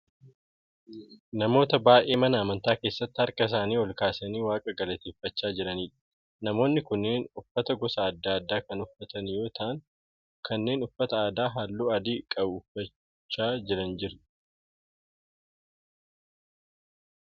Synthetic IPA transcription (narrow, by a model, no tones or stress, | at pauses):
nɐmo̞ːt̪ɐbaːʔʔe̞ːmɐnɐːmɐnt̪aːke̞ːsːɐt̪ːɪhɐɾkɐɪs̬aːniːɔlkaːsɐniːwaːkʼɐɡɐlɐt̪eːfːɐt͡ʃːaːd͡ʒɪɾɐniːᶑɐ̥ | nɐmo̞ːnːɪkʊnːeːnʊfːɐt̪ɐɡɔsɐːd̪ːaːɐd̪ːaːkɐnʊfːɐt̪ɐnjo̞ːt̪ʰaʔːŋ | kʰɐnːe̞ːnʊfːɐt̪ɐaːd̪aːɦaːlːuːɐd̪iːkʼɐbʊʊfɐ | t͡ʃːaːd͡ʒɪɾɐnd͡ʒɪɾ